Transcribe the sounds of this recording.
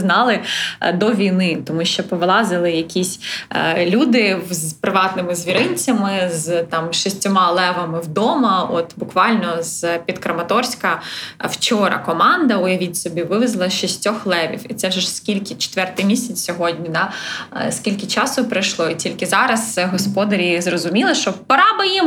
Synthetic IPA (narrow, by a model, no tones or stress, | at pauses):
znɑlˠɪd̪ɔʋʲijnɪt̪ɔmuʃt͡ʃɔpɔʋlˠɑzɪlˠɪjɐkʲisʲlʲud̪ɪzpɾɪʋɑt̪nɪmɪzʲʋʲiɾɪnʲt͡sʲɐmɪzt̪ɑmʃisʲtʲɔmɑlˠɛʋɐmɪwd̪ɔmɐɔt̪bʊkʋɑlʲnɔz̥pʲid̪kɾɐmɐt̪ɔrsʲkɐwt͡ʃɔɾɐ̰kɔmɑnd̪ɐʊjɐʋʲitʲsɔbʲiʋɪʋɪzlˠɐʃisʲtʲɔxlˠɛʋʲḭwit̪sɛʒɛskʲilʲkʲɪt͡ʃe̥t̪ʋɛrt̪ɪjmʲisʲɐt͡s̪ʲsʲɔɦɔdʲnʲid̪ɑskʲilʲkɪt͡ʃɑsʊpɾɪjʃlˠɔitʲilʲkɪzɑɾɐzɦɔspɔd̪ɐɾʲizrɔzʊmʲilˠɐʃt͡ʃɔpɐɾɑbɐjim